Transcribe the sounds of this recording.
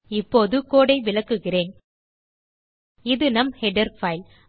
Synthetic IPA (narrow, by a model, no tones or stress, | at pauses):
ɪpːoːðɯkoːɽɐɪʋɪlɐkːɯɣɪreːn | ɪðɯnɐmhɛɖɐɾfɐɪl